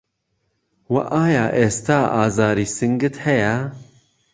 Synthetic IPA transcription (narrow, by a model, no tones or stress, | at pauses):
wɐ̰ʔaːja̰ːʔeːst̪aːʔɑːzaːɾiːsɨŋɡɨt̪hɛjɛ